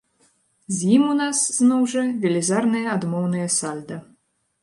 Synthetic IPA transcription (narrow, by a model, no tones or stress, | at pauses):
zʲjimunasznɔwʐɐvʲɛlʲizarnɨjɐad̪mɔwnɨjɐsalʲd̪ɐ